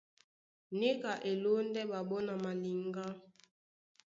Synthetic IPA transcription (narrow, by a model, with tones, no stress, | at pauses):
ne˦ka˨ʔe˨lo˦n˦dɛ˦ɓa˨ɓɔ˦na˨ma˨li˨ŋɡa˦